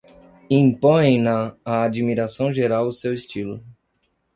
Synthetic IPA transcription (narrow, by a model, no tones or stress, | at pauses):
ĩpõjẽj̃nɐaːd͡ʒimiɾasɐ̃w̃ʒeɾawʊsewest͡ʃilʊ̰